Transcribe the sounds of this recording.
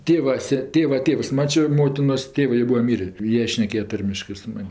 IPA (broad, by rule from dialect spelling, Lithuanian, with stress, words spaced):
ˈtʲeːʋɐ ˈsʲɛ ˈtʲeːʋɐ ˈtʲeːws ˈmɑːt͡ʃʲoː ˈmoːtʲɪnoːs ˈtʲeːʋɜ joː ˈbuːɐ ˈmʲiːrʲeː ˈjiɛ ˈʃʲnʲæːkʲeːjɛ ˈtɐrʲmʲɪʃkɜ sʊ ˈmɐnʲ